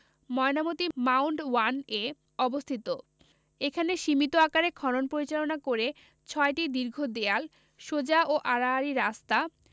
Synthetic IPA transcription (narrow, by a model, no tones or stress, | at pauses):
mɔeonamot̪imawɳɖwane | ɔbost̪ʰit̪o | ekʰaneʃimit̪oakaɾekʰɔɾonpoɾit͡ɕalonakoɾe | t͡ɕʰɔeʈid̪iɾɡʱod̪eal | ʃod͡ʑaʔoʔaɾaːɾiɾast̪a